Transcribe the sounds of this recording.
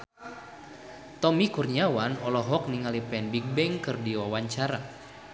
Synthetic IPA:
t̪ɔmikurniawanɔlɔɦɔk̚niŋalipɛnbik̚bɛŋkɨrdiwawaɲt͡ʃaɾa

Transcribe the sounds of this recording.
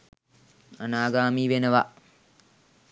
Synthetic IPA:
anaːɡaːmiːʋenɐʋaʔ

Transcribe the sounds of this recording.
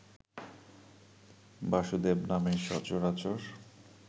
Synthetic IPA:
baʃud̪ebnameʃɔt͡ɕoɾat͡ɕoɾ

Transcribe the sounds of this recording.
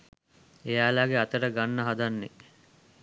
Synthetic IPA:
ejaːlaːɡeat̪əɾəɡanːəɦad̪anːe

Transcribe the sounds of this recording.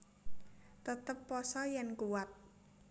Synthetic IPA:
t̪ət̪əpːɔsɔjɛnkuwat̪̚

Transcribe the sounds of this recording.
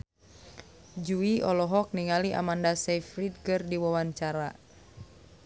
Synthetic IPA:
d͡ʒuiʔɔlɔɦɔk̚niŋaliʔa̰mandasɛfɾid̪̚kɨrdiwawaɲt͡ʃaɾa

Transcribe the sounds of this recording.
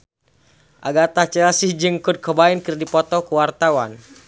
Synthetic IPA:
ʔa̰ɡat̪at͡ʃəasihd͡ʒɨŋkʊd̪̚kəbaɪnkɨrdipɔt̪ɔkəwart̪awan

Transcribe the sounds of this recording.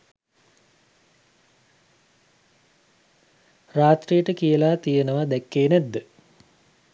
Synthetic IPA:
raːt̪rijəʈəkijəlaːt̪ijənəʋad̪ɛkːeːnæd̪ːə

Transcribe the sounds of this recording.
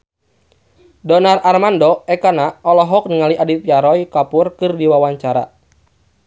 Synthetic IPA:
dɔnararmandɔɛkanaɔlɔɦɔk̚niŋaliʔadit̪̚jaɾɔjkapurkɨrdiwawaɲt͡ʃaɾa̰

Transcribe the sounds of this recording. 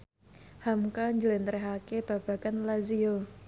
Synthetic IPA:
hamkaɲd͡ʒəlent̪əɾɛɦakeb̥a̤b̥a̤kanlazio

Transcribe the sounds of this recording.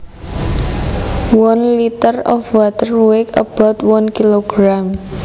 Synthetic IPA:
wɔnlit̪ərɔ̰fwat̪əruwɪkə̰b̥ɔ̤t̪̚wɔnkiloɡ̥ɾam

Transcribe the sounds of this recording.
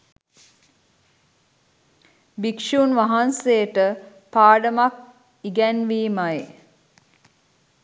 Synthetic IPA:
bikʃuːnʋaɦansejəʈə | paːɖəmak | iɡɛnʋiːmaj

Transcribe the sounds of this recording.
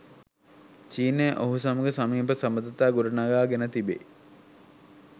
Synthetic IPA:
t͡ʃiːneʔoɦusɐmuɡəsamiːpəsɐməd̪ɐt̪aːɡuɾənaɡaːɡenət̪ibḛ

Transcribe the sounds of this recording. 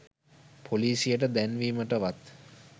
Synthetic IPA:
pʰoliːsijəʈəd̪ænʋiməʈəʋat̪

